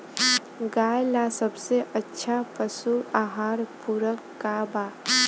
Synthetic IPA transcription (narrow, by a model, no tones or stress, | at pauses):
ɡajlasəbseʔətːʃʰapəsuaɦaːɾpuɾəkːaba